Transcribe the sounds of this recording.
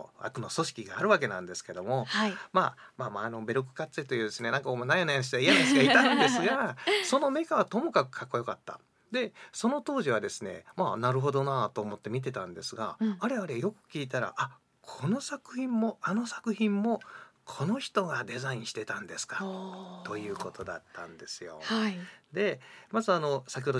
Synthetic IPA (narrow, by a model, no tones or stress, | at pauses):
a̰kɯ̟no̞so̞ɕi̥kʲiɡaːɾɯ̟βak̬e̞nã̰nd̪e̞sɨ̥ke̞d̪o̞mo̞haimaːmaːmaːno̞be̞ɾok̬ɯ̟̥kat͡sɨit̪ojɯ̟ːd̪e̞sɨne̞nãŋkaomonajonajanɕiaijad̪esɨɡait̪ãnd̪e̞sɨɡaso̞no̞me̞kaβat̪o̞mo̞kakɯ̟̥kʰakːo̞jo̞kat̪ːa̰ | d̪e̞so̞no̞t̪o̞ːʑiβad̪e̞sɨne̞̰maːnaɾɯ̟ɦo̞d̪o̞nat̪o̞ːmo̞t̪ːe̞mʲit̪̬e̞t̪ãnd̪e̞sɨɡa̰ːɾe̞aɾejo̞kɯ̟̥kʲiːt̪aɾa̰ʔa | kʰo̞no̞sakɯ̟çĩmːo̞ano̞sakɯ̟çĩmːo̞kʰo̞no̞çi̥t̪o̞ɡad̪e̞zaĩɕi̥t̪e̞t̪ãnd̪e̞sɨ̥kḁt̪o̞jɯ̟ːko̞t̪o̞d̪a̰t̪ːã̰nd̪e̞sɨjo̞̰had̪e̞mazɨano̞sakʲihod̪